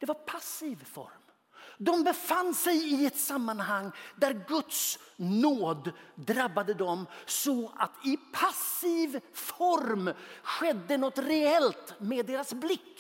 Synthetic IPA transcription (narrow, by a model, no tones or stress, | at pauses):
d̪̥ɛvaɾpʰasivfɔ̰ɾm | d̪ɔmbɛfanːsɛjɪɛt̪samːanɦaŋːd̪æɾɡɵt̪snoːd̪d̪ɾabːad̪əd̪ɔmsɔʔa̰t̪ʰɪpʰasiːvfɔɾmɧɛd̪ːənɔt̪ɾɛɛlt̪meːd̪ːeːɾasblɪkː